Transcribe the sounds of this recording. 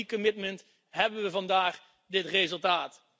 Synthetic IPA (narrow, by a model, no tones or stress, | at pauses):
ikəmɪtmənt | ɦɛbənʋəvɑndaːχ | dɪtrezəlˠtaːt